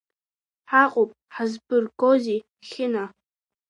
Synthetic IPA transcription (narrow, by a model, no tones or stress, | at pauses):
ħaqʼopʼħazbɨrɡozi | xʲɪna